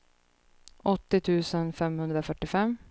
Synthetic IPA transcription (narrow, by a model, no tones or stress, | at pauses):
ɔt̪ːɪt̪ʰʉ̟ːsənfɛmhɵnd̪ɾafœʈːɪfɛmː